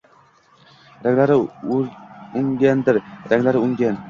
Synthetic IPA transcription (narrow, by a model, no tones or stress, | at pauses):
ɾaŋʲlaɾɪ | ʊŋɡʲand̪ɪɾɾaŋʲlaɾɪʊŋɡʲan